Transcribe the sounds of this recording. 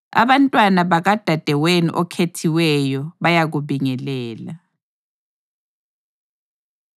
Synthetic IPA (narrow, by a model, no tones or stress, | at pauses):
a̰βantʼwanaβaɣad̥ʱad̥ʱɛwenḭʔɔkʰetʰiwɛjɔβajaɣuβiŋɛlɛːla